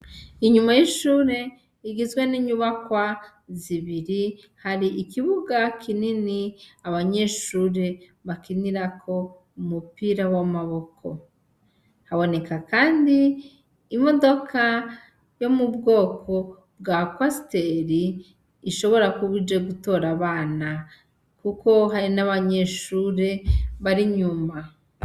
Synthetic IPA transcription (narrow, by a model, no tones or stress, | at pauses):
iɲumajiʃuːɾe̞ | iɡizɡwe̞niɲuβakwa | ziβiɾi | haɾiʔikiβuɡakininiaβaɲe̞ːʃuɾe̞ | βakiniɾakʰo̞ | umupiːɾawamaβo̞kʰo̞̰ | haβo̞ne̞kakaːndiː | mo̞do̞kʰa | jo̞mubɡo̞ːkʰo̞ | bɡakwasi̥te̞ɾiː | ʃo̞βo̞ɾakuβid͡ʒe̞ɡuto̞ːɾaβaːna | kuko̞ɦaɾinaβaɲe̞ʃuːɾe̞βaɾiɲuːma